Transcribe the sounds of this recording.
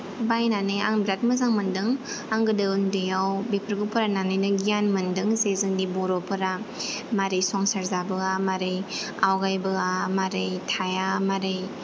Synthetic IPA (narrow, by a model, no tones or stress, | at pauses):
bajnanɯja̰ŋbɾat̚mɐzaŋmɐndɯŋ | aŋɡɯdɯɯndɯjawbepʰəɾɡupʰɯɾananɯjnɯɡijanmɯndɯŋzezɯŋdibɔɾɔpʰɯɾa | maɾejsɔŋsaɾzabɯamaɾej | awɡajbɯamaɾejtʰajamaɾej